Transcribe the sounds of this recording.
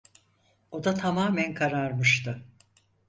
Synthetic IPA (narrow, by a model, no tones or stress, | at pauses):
o̞d̪at̪ʰamaːmænkʰaɾaɾmɯʃt̪ɯ